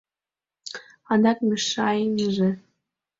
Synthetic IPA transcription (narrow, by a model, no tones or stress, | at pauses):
ɑnd̪ɑkmɘʃɑjnəʒĕ